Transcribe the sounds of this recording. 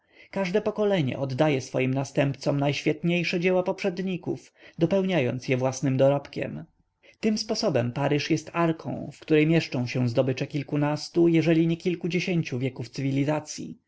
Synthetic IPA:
kaʐd̪ɛpɔkɔlɛɲɛ̰ʔɔd̪ːajɛsfɔjimnast̪ɛmpt̪sɔmnajɕfʲjɛt̪ɲejʂɛd͡ʑɛwapɔpʂɛd̪ɲikṵf | d̪ɔpɛwɲajɔ̰nt̪sʲjɛvwasnɘmd̪ɔɾɔpkʲɛ̰m | t̪ɘmspɔsɔbɛmpaɾɘʂjɛst̪aɾkʰɔ̰̃w̃fkt̪uɾɛjmjɛʂt͡ʂɔ̃w̃ɕɛw̃zd̪ɔbɘt͡ʂɛkʲilkunast̪ujɛʐɛlʲiɲɛkʲilkud͡ʑeɕeɲt͡ɕuvʲjɛkuft̪sɘvʲilʲizat̪sʲjḭ

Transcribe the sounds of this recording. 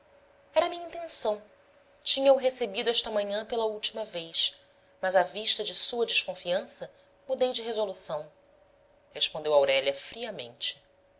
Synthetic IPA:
ɛɾɐmĩɲɐĩnt̪ẽnsɐ̃w̃ | t͡ʃĩɲɐuɦesebid̪ʊɛʃt̪ɐmɐ̃ɲɐ̃pelɐuwt͡ʃimɐvejʃ | mɐzɐviʃt̪ɐd͡ʒɪsuɐd͡ʒɪʃkõfiɐ̃sɐ | mud̪ejd͡ʒɪɦezolusɐ̃w̃ | heʃpõnd̪ewawɾɛʎɐfɾiɐmḛ̃nt͡ʃɪ̥

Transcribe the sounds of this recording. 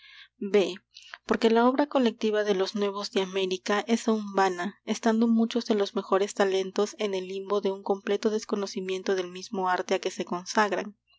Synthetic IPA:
be̞po̞ɾke̞lao̞βɾako̞le̞k̚t̪iβaðe̞lo̞znwe̞β̞o̞zðeame̞ɾikaʔe̞saumbanaest̪and̪o̞mut͡ʃo̞zðe̞lo̞zme̞xo̞ɾe̞st̪ale̞nt̪o̞se̞ne̞limbo̞ðe̞uŋko̞mple̞t̪o̞ðe̞sko̞no̞simje̞nt̪o̞ðe̞lmizmo̞aɾt̪eake̞se̞ko̞nsaɣɾa̰ŋ

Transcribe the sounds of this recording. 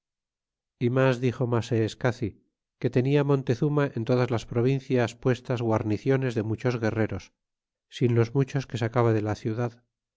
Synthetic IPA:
imazðixo̞maseːskaθi | ke̞t̪e̞niamõ̞nt̪e̞θumaʔent̪o̞ðazlaspɾo̞β̞in̟θjaspwe̞st̪azɣwaɾniθjo̞ne̞zðe̞mut͡ʃo̞zɣe̞re̞ɾo̞sː | inlo̞zmut͡ʃo̞ske̞sakaβaðe̞laθjuðað

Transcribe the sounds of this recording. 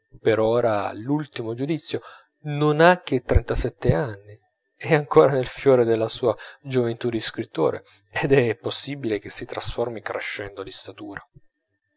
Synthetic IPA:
peɾoːɾalult̪imod͡ʒud̪it̪sːjo | nonak̟ːet̪ːɾent̪asɛt̪ːeanːi | ɛaŋkoːɾanelfjoːɾed̪elːasuːad͡ʒovent̪ud̪iskɾit̪ːo̰ːɾʔḛ | ed̪ɛpːosːibilek̟esːit̪ɾasformikɾeʃːɛnd̪olist̪at̪uːɾa

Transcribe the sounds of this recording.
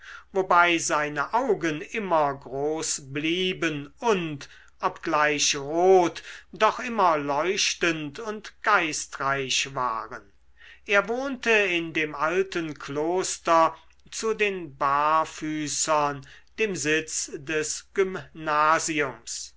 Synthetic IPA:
vobaɪzaɪnəʔaʊɡənʔɪmɐɡʁoːsbliːbənʊnt | ʔɔpɡ̥laɪʃʁoːtd̥ɔχʔɪmɐlɔʏʃtəntʊntɡ̥aɪstʁaɪɕva̰ːʁən | ʔeːɐvoːntəɪndeːmʔaltənkʰloːstɐ | t͡sudeːnbaːɐfyːsɐnd̥eːmzɪt͡sdɛsɡ̥ʏmnaːziʊms

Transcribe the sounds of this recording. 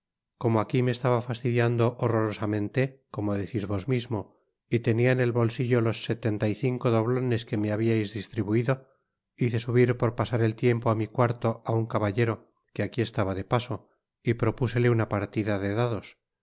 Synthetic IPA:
ko̞moakimeːst̪aβafast̪iðjand̪o̞ʔoro̞ɾosamẽ̞nt̪e̞ko̞mo̞ðe̞θizβo̞zmizmo̞ | it̪e̞niaene̞lβo̞lsiʝolo̞sːe̞t̪e̞nt̪ajθiŋko̞ðo̞β̞lo̞ne̞ske̞meaβiajzðist̪ɾiβuiðo̞ | iθe̞suβiɾpo̞ɾpasaɾe̞lt̪je̞mpo̞amikwaɾt̪o̞auŋkaβaʎe̞ɾo̞ | keakie̞st̪aβaðe̞paso | ipɾo̞puse̞leunapaɾt̪iðaðe̞ðaðo̞s

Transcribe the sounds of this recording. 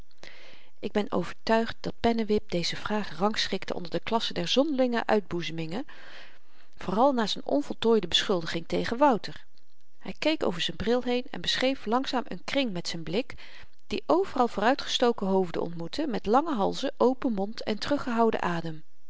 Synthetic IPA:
ʔɪɡ̚bɛno̰wv̥əɹtœɥχt̚d̥ɑt̚pɛnəʋɪp̚dejzəv̥raːχrɑŋsχɪktəʔɔ̰ndəɹdəklɑsədɛɹzɔndəlɪŋəʔœ̰ɥd̚buzəmɪŋə | v̥oːrɑlˠnaːzɛnɔ̰nvɔlˠtoːjdəbəsχɵlˠdəχɪŋtejχənʋʌwtəɹ | hɛjkejko̰wvəɹzɛnbrɪlˠɦejnɛ̰nbəsχejflɑŋszaːmʔə̰nkrɪŋmɛtsɛnblɪk | d̥iʔowvərɑlˠvʊːrœɥtχə̥stowkəɦowvdə̰ɔ̰ntmutʰəmɛtlɑŋəɦɑlˠzəʔowpənmɔntɛ̰ntərɵχəɦɑwdə̰ʔaːdəm

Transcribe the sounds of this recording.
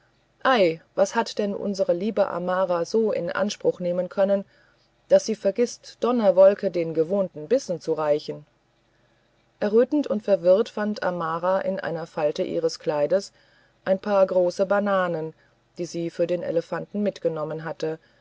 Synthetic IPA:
ʔaɪvashatd̥ɛnʔʊ̰nzəʁəliːbəʔa̰maːʁazoːɪ̰nʔa̰nʃpʁ̥ʊχneːmənkʰœnən | d̥asz̥iːfɛɐɡɪstd̥ɔnɐvɔlkədeːnɡəvoːntn̩bɪsn̩t͡suʁaɪçn̩ | ʔɛɐʁøːtn̩tʊntfɛɐvɪɐtfantʰʔa̰maːʁaʔɪ̰nʔa̰ɪnɐfaltəʔḭːʁ̞əskl̥aɪdəs | ʔaɪnpʰaːɐɡʁoːsəbanaːnən | d̥iːziːfyːɐdeːnʔḛləfantn̩mɪtɡ̥ənɔmənɦatə

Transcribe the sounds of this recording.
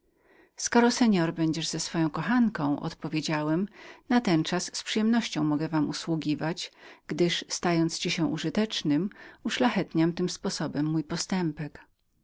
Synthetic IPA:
skɔɾɔsɛɲɔɾbɛɲd͡ʑɛʐzɛsfɔjɔ̃w̃kɔxankɔ̃w̃ʔɔ̰t̪pɔvʲjed͡ʑawɛmnat̪ɛnt͡ʂasːpʂɨjɛmnɔɕt͡ɕɔ̃w̃mɔɡɛvamuswuɡʲivat͡ɕɡ̥d̪ɘʂst̪ajɔnt̪st͡ɕiɕɛʔuʐɘt̪ɛt͡ʂnɘmuʂlaxɛt̪ɲamt̪ɘmspɔsɔbɛmːujpɔst̪ɛmpɛk

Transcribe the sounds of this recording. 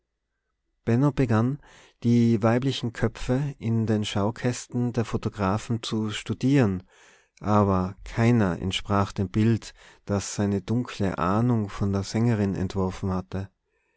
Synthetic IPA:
b̥ɛnob̥əɡan | d̥iːvaɪblɪçn̩kʰœp͡fəʔɪndeːnʃaʊkʰɛstn̩deːɐfotoɡ̥ʁaːfn̩t͡suʃtudiːʁən | ʔaːbɐkʰaɪnɐɛ̰ntʃpʁ̥aːχd̥eːmbɪltd̥asaɪnədʊŋkʰlə̰ʔaːnʊŋfɔndeːɐz̥ɛŋəʁ̞ɪnɛ̰ntv̥ɔɐfn̩hatə

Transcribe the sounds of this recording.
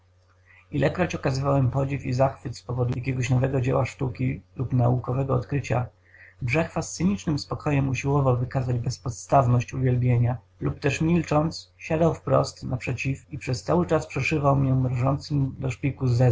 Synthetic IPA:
ilʔɛkɾɔt͡ɕɔkazɘvawɛmpɔd͡ʑifizaxfɘt̪spɔvɔd̪ujakʲeɡɔɕnɔvɛɡɔd͡ʑḛwaʂt̪ukʲilupnaukɔvɛɡɔɔt̪kɾɘt͡ɕa̰ | bʐɛxfast̪sɘɲit͡ʂnɘmspɔkʰɔjɛmuɕiwɔvawvɘkazad͡ʑbɛspɔt̪st̪avnɔɕt͡ɕuvʲjɛlbʲjeɲa | lupt̪ɛʂmʲilt͡ʂɔnt̪sɕad̪awfpɾɔ̰st̪napʂɛt͡ɕifipʂɛst̪sawɘt͡ʂaspʂɛʂɘvawmʲjɔ̃mɾʐɔnt̪sɘmd̪ɔʂpʲikuzɛ

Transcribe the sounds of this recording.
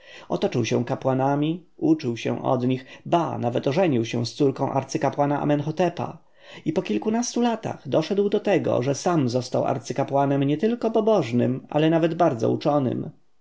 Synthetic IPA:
ɔt̪ɔt͡ʂɘwɕɛ̃w̃kapwanamʲiut͡ʂɘwɕɛ̰w̃ʔɔ̰d̪ɲixbanavɛt̪ɔʐɛɲiwɕɛ̰̃w̃st̪suɾkɔ̃w̃ʔa̰ɾt̪sɘkapwanaʔa̰mɛnxɔt̪ɛpa̰ | ipɔkʲilkunast̪ulat̪a̰ɣd̪ɔʂɛd̪wd̪ɔt̪ɛɡɔ̰ʐɛsamzɔst̪awa̰ɾt̪sɘkapwanɛmɲɛt̪ɘlkɔpɔbɔʐnɘma̰lɛnavɛd̪baɾd̪zɔ̰ut͡ʂɔnɘ̰m

